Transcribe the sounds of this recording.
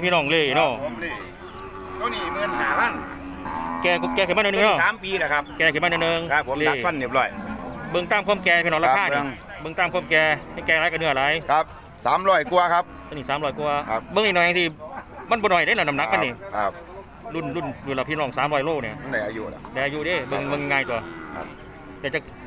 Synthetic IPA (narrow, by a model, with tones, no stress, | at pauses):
pʰiː˧˨nɔː˧˩˨ŋlɤː˧˩jnɔ˧˩˧i˧˩ | t̪ɔ˧˨niː˧˩bɯ˧˨nhaː˨˦baː˧˥˩ŋ | kɛː˧kkɛː˧kʰɯ˧˩˦a˧˥˨n˧nː˧nɔ˧˩˨saː˨˦mpiː˧la˧˩kʰa˦˥p̚kɛː˧kɯ˧˩ma˧˥nɯ˧˨nɤː˧ŋkʰːo˧˦leːa˨˧˨a˧˥˨nːi˨˧˩p̚lɔː˧˩jbɤ˧ŋt̪aː˧˥˨mkʰo˧˥˨kɛː˧piː˧ɔː˧˨la˧aː˧˥˨ni˧ŋ | bɤ˧ŋt̪aː˧˩mkʰo˧˥˩kɛː˧a˧˩ŋkɛː˧˨la˧˦˩ka˧˩nɯ˧˩ɐ˨la˨˧˦jkʰa˧p̚ | saː˨˦mɾɔː˧˥˩jku˧ɐkʰa˦˥p̚ | a˧˨niː˧˩saː˨˦mɾɔː˧˩jku˧ɐ˧bɤ˧ŋni˧˨nɔː˧˨ja˧t̪ʰi˧˩ma˧˥˨nbɔː˧nɔ˨˩jda˧˨na˧˩na˧˨na˧˥k̚a˧˨niː˧˩kʰa˧p̚ | lu˧˥˩nlu˧˥˩njuː˧˨la˧˩pʰi˧˥˨lɔː˧˩ŋsaː˨˦mɾɔː˧˩jloː˧˥˩k̚ni˧˩ɐm˧˨nda˧˩jʔa˧jṵ˧da˧˨ʔa˧ju˧˦deː˧˩bɤ˧ŋbɤ˧ŋ˧ŋːaː˧jt̪u˧ɐkʰa̰˧ | t̪ɛː˧˩t͡ɕa˧˩k